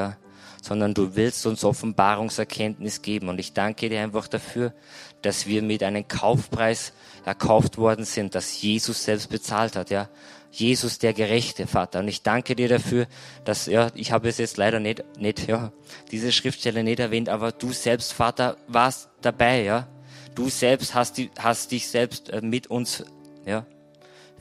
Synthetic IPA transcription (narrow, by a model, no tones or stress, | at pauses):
jaː | z̥ɔndɐnduːvɪlstʊnsʔɔfn̩baːʁʊŋsɛɐkʰɛntnɪsɡ̥eːbm̩ʊntɪçd̥aŋkədiːɐaɪnfaχd̥afyːɐ | d̥asv̥iːɐmɪtʔaɪnəmkʰaʊfpʁ̥aɪs | ʔɛɐkʰaʊftv̥ɔɐdn̩z̥ɪnt̚d̥asjeːzʊsz̥ɛlpst̚b̥ət͡saːlthatjaː | jeːzʊsd̥eːɐɡəʁɛçtəfaːtɐʊntɪçd̥aŋkədiːɐɾafyːɐd̥asjaːʔɪçhaːbəɛsjɛt͡stlaɪɾɐnɛtnɛtjaː | d̥iːzəʃʁ̥ɪftʃtɛlənɪtɛɐvɛːntʔaːbɐd̥uːz̥ɛlpstfaːtɐvaːɐstd̥abaɪjaːd̥uːz̥ɛlpsthastd̥hastd̥ɪçz̥ɛlpstʔɛːmɪtʊnsjaː